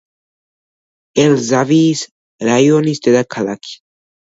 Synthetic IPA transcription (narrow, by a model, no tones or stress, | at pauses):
elzavis | ɾajonist̪ed̪akʰalakʰi̥